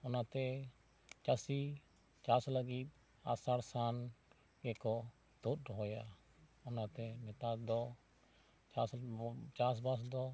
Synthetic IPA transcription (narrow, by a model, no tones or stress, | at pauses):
ʊnat̪ɛ | t͡ʃasi | t͡ʃaːsləɡiːt̪̚ | a̰ːsaːɾsaːn | ɡɛkɔ | t̪ut̪ɦoːja | ʊnãt̪ɛmɛt̪aːd̪ɔ | t͡ʃast͡ʃaːsbas̬d̪ɔː